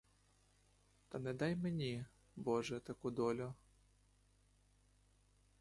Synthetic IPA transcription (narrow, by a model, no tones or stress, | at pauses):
t̪ɐnɛd̪ajmenʲi | bɔʐɛt̪ɐkud̪ɔlʲʊ